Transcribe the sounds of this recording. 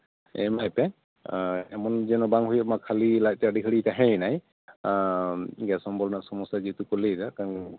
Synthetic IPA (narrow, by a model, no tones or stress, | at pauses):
ɛ̰majpɛ | ɛmɔnzɛnɔbaŋɦojmakʰːalilaj̚tɛadikʰəitaɦɛnaj | ɡɛsɔmbɔlnasɔmɔsazitukɔlezakan